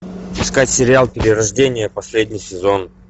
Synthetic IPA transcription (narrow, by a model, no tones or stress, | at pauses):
ɪskatʲsʲɪɾʲɪalˠpʲɪɾʲɪɾɐʐdʲenʲɪjəpɐsʲlʲedʲnʲɪjsʲɪzo̞n